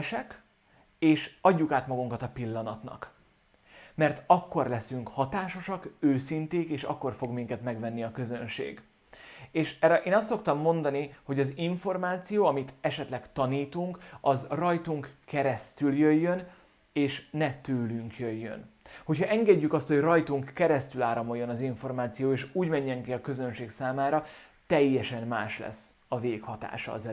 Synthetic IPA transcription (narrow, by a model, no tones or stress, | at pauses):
ʃɛk | eːʃɒɟːukaːt̪mɒɡuŋkɒt̪ɒpilːɒnɒt̪nɒ̰k | mɛrt̪ɒkːo̞rlɛsyŋkhɒt̪aːʃo̞ʃɒkøːsint̪eːkeːʃɒ̰kːo̞rfo̞ɡmiŋkɛt̪mɛɡvɛnːiɒkø̞zø̞nʃḛːɡ | eːʃɛɾɛʔeːnɒst̪ːso̞k̚t̪ɒmːo̞nd̪ɒniho̞ɟɒziɱfo̞rmaːt̪sijoːɒmit̪ɛʃɛt̪lɛkt̪ɒniːt̪uŋkɒzrɒjt̪uŋkkːɛɾɛst̪yljøjːø̞n | eːʃnɛt̪øːlyŋkjøjːø̰nho̞chɒʔɛŋɡɛɟːykɒst̪ho̞ɟrɒjt̪uŋkːɛɾɛst̪ylaːɾɒmo̞jːo̞nɒziɱfo̞rmaːt̪sijoːeːʃuːɟmɛɲːɛŋkiɒkø̞zø̞nʃeːksaːmaːɾɒ | t̪ɛjːɛʃɛnːaːʃlɛ̰sː | ɒveːkhɒt̪a̰ːʃɒ̰ːzɛ